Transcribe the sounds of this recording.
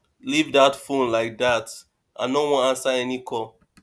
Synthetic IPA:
livdatfũnlaɪk̚dat | ʔã̰nowɔ̃nãnsaɛnikʰɔ

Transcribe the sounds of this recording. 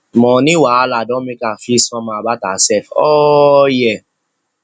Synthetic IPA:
mɔ̃nĩwaaladɔ̃mĩkafisɔ̃mãabatasɛfɔjɛ

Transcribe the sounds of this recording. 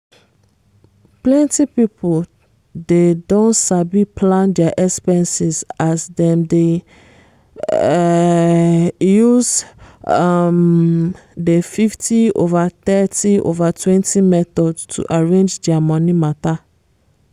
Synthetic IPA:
plɛ̃ntipipʰol | dedõnsabipʰlãndɛaʔɛkspɛ̃nsizasdɛ̃mde | juz | m | defiftio̰vat̪ɛtio̰vatʰwɛ̃ntʰimɛt̪ɔdstʰṵʔaɹẽnd͡ʒdɛamɔ̃nimata

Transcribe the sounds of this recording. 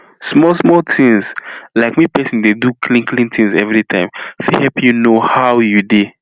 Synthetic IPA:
smɔlsmɔltʰĩnzlaɪkmipɛsĩndedukʰlĩnkʰlĩntʰĩnzɛ̰vɹitʰãɪ̃mfihɛpjunohawjude

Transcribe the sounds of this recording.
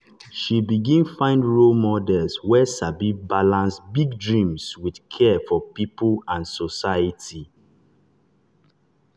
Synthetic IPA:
ʃibiɡĩnfãɪ̃ndɹolmɔdɛlswɛsabibalãnsbiɡ̚dɹĩmswidkʰɛfɔpipəlãnsɔsajətʰi

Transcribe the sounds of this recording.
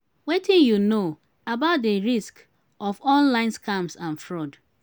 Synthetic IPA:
wetĩnjuno | abaʊt̚deɹisk | ɔfɔ̃nlãɪ̃nskamsãnfɹɔd

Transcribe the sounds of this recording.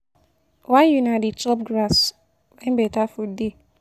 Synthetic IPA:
wãnjunadit͡ʃɔp̚ɡɾas | wɛ̃nbɛtafude

